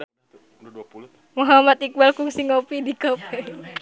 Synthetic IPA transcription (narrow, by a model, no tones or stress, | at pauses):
muɦamat̪̚ik̚bɛlkuŋsiŋopidikɔpɛ